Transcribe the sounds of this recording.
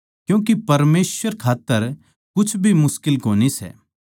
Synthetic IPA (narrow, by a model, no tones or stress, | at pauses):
kjũːk̬ipɐɾmeːsʋəɾkʰaːt̪ːəɾ | kʊt͡ʃʰbʱimʊskɪlkoːnisɛ̰ː